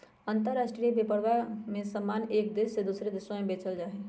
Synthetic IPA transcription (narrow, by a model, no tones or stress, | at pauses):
ənt̪əɾːasʈɾijəbepəɽʋamẽsəmːanek̚d̪esːed̪usɾed̪isamebet͡ʃəld͡ʒaːɦɛ